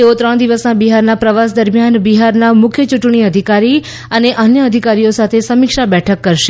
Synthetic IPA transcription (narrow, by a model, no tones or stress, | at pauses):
t̪eot̪ɾəɳ̃d̪iʋəsnabiɦaɾnapɾəʋas̬d̪əɾmjanbiɦaɾnamʊkʰjət͡ʃuʈɳ̃iəd̪ʱikaɾi | əneʔənjəəd̪ʱikaɾijosat̪ʰesəmikʃabɛʈʰəkːəɾʃe